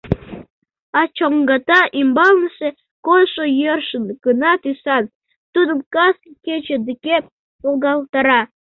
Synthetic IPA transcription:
ɑt͡ɕoŋɡɑt̪ɑʔimbɑlnəʃe | kolʃojørʃənɡ̥ənɑt̪ysɑn | t̪ud̪əmkɑsket͡ɕed̪ike | olˠɣɑlˠt̪ɑɾɑ

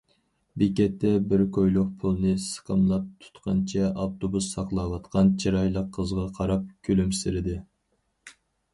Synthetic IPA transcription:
bɪkʲɛt̪ʰːɛbɪɾkʰojlˠʊq̚pʰulˠnɨsə̥qʰəmlˠɑp̚t̪ʰu̥t̪qʰɑnt͡ʃʰɛʔɑft̪ʰobusːɑqlˠɑwɑt̪qʰɑnt͡ʃʰiɾɑjlˠəqʰːəzʁɑqʰɑɾɑp̚kʲʰølymsɪɾɪd̪ɪ

